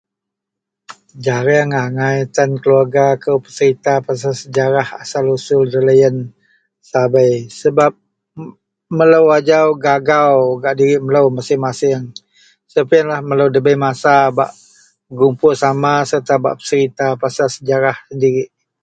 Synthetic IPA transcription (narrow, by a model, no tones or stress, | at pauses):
d͡ʒaɾəŋaŋajt̪ankəluarɡakəwpə̥səɾit̪apas̬asəd͡ʒaɾaha̰salusʊldələjən | sabəjsəbap̚ | mələwad͡ʒawɡaɡawɡaʔdiɾɪʔmələwmasɪŋmasɪŋ | səpəanlahmələwdəbəjmasaba̰ʔ | ɡumpʊsamasərt̪aba̰ʔpə̥səɾit̪apasasəd͡ʒaɾahsəndiɾɪʔ